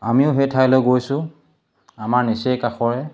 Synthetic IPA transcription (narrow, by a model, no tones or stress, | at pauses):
amiʊɦetʰajlojɡojsʊ | amaɹnisejkaxɔɹɛ